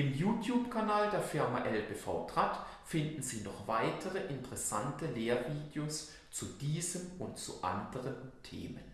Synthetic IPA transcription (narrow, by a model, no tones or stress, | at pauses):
ɪmjuːtʰjuːpkʰanaːldeːɐfɪɐmaʔɛlbeːfa̰ʊtʁ̥atfɪndn̩ziːnɔχv̥aɪtʰəʁəʔɪntəʁɛsa̰ntəleːɐviːdjoːs | t͡sud̥iːzəmʊntt͡sṵʔa̰ndəʁəntʰḛːmən